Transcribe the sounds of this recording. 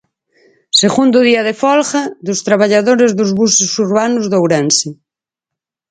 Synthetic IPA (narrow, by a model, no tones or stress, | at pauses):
seɣund̪ʊðiaðefɔlxaðʊst̪ɾaβ̞aʎaðoɾezðʊzβusʊsuɾβanʊzðowɾansɪ